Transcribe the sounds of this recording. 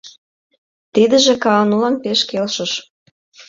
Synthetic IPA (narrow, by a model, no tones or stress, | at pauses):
t̪id̪ə̆ʒĕkɑnulɑnpeʃkelʃə̆ʃ